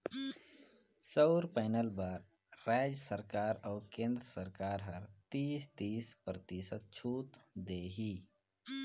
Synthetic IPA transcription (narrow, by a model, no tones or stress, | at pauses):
səʊɾpaɪnəlbaɾː | aːd͡ʒəsəɾkaːɾɔːkẽːnd̪ɾəsəɾkaːɾɦəɾt̪iːst̪iːspɾət̪iːsət̪̚t͡ʃʰuːt̪d̪eːɦiː